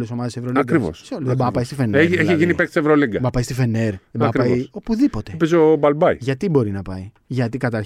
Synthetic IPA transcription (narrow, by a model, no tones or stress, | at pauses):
leso̞mɐðesevɾoliɐŋkɾivo̰sseolðebɐpɐist̪ifeneeçiʝinipek̚t̪isevɾoliŋɡɐbɐpɐist̪ife̞ne̞ɾðebɐɾɐo̞puðipo̞t̪epezobɐlbɐiʝɐt̪ibo̞ɾinɐpɐi | ʝɐt̪ikɐt̪ɐɾ